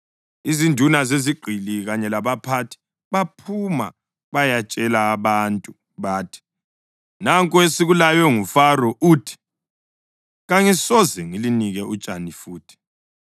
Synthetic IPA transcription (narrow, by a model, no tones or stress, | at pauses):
izindʱunazeziɡ͡ǃʱiliɣaɲɛlaβapʰatʰi̥ | βapʰuma̰ | βajat͡ʃʼɛlaːβantʼu | βaːtʰi̥ | naŋkʼwesiɣulajwɛŋufaɾɔʔuːtʰi̥ | ɣaŋisɔzɛŋiliniɣɛʔut͡ʃʼanifuːtʰi̥